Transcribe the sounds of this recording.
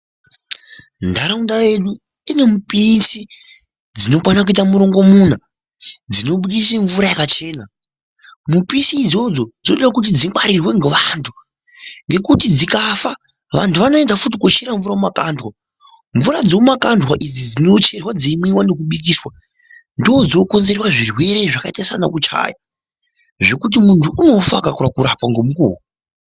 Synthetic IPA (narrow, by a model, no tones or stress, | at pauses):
ndaɾaundajeɗu | ine̞mupisi | d͡zino̞kwanakuitamuɾo̞ŋɡo̞muːn̤a | d͡zino̞ɓuɗis̬eɱvuɾajakat͡ʃe̞ːna | mupinsiːd͡zo̞d͡zo̞d͡zinoɗawakutid͡ziŋwaɾirwe̞ŋɡeʋantʰu̥ | ŋɡe̞kutid͡zikafa | ʋa̰ntʰuʋano̞e̞ndafut̬ikoʃiɾaɱvuɾamumakandʱwa | ɱvuɾad͡zomakandwaʔid͡zid͡zino̞t͡ʃe̞rwad͡zimiwane̞k̬uɓik̬iːswa | ndiod͡zo̞ko̞nze̞ɾewaʐirwe̞ɾe̞ʐakaitasana̰kut͡ʃa̰ːja | ʐe̞kut̬imuntʰuʔuno̞fakakuɾakuɾapwaŋɡo̞mukṵːwu